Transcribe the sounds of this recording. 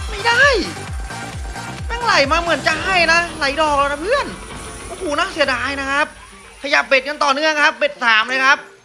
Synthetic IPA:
ma˥˩jdaː˥˩j | naː˧˥˩ŋla˨˩jmaː˧mɯ˨˩˦ənt͡ɕa˨˩ɦa˥˩jna˦˥la˨˦jdɔː˨˩k̚ːna˧pʰɯ˥˩ənɔ˧˩˦kʰuː˨˩naː˧˥˩ŋsi˩˦daː˧jna˦˥kʰɾa˦˥p̚ | kʰa˧ja˨˩p̚be˨˩t̪̚ka˧nt̪ɔː˨˩nɯ˥˩əŋkʰa˦˥p̚be˨˩t̪̚saː˩˦mlɤː˧jkʰa˦˥p̚

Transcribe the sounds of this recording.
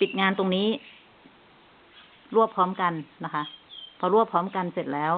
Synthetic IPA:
pi˨˩t̪̚ŋaː˧nt̪o˧ŋniː˦˥ | ɾu˥˩əpʰːɔː˦˥mka˧nːa˦˥kʰa˦˥ʔpʰɔː˧ɾu˥˩əpʰɔː˦˥mka˧nse˨˩t̪̚lɛː˦˥w

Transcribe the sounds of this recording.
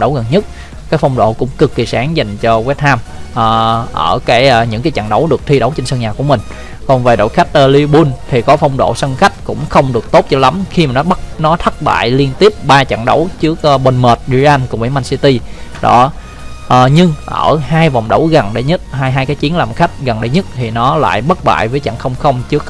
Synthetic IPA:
ɗə˨˦wɣə˨˩nɲə˦˥t̚ | kaː˨˦˥k̚fa˧wŋ͡mɗo̰˧˨kʊ̰˧˥ŋ͡mkɨ˨˩kːi˨˩saː˨˦ŋza˨˩jŋ̟t͡ɕɔ˧wi˦˥t̚naː˧mʔːʔəː˧˩kaː˨˦jɲɨ̰˧˥ŋkaː˨˦jt͡ɕa̰˧˨ŋɗə˨˦wɗɨ˨˩ək̚t̪ʰi˧ɗə˨˦wt͡ɕe˧nsə˧nŋɲaː˨˩ku˧˩əmï˨˩ŋ̟ | kɔ˨˩nve˨˩ɗo̰˧˨jxa˦˥jk̟̚ʔə˨˧li˧ɓu˧nt̪ʰi˨˩kɔ˨˦fa˧wŋ͡mɗo̰˧˨sə˧nxa˦˥jk̟̚kʊ̰˧˥ŋ͡mxə˧wŋ͡mɗɨ˨˩ək̚t̪o˦˥t̚t͡ɕɔ˧la˨˦mxi˧maː˨˩nɔ˨˦ɓə˦˥t̚nɔ˨˦t̪ʰə˦˥t̚ɓa̰ː˧˨jli˧ənt̪i˦˥əp̚ɓaː˧t͡ɕa̰˧˨ŋɗə̰˧˦wt͡ɕɨ˦˥ək̚ːɓe˧nməː˨˩t̚ɗi˧ʔa˧nkʊ˧˩ɓḭ˧˥˦maː˧nsi˧t̪i˧ɗɔ̰˧˩˦ | ʔɲɨ˧ŋʔəː˧˩haː˧jva˨˩wŋ͡mɗə˧˦wɣə˨˩nɗḛ˧˦ɲə˦˥t̚ɦaː˧jɦaː˧jkaː˨˦jt͡ɕi˨˦nlaː˨˩mxa˦˥jk̟̚ɣə˨˩nɗḛ˧˦ɲə˦˥t̚t̪ʰi˨˩nɔ˨˦la̰ː˧˨jɓə˦˥t̚ɓa̰ː˧˨jvəː˨˦jt͡ɕa̰˧˨ŋxə˧wŋ͡mxə˧wŋ͡mt͡ɕɨ˦˥ək̚

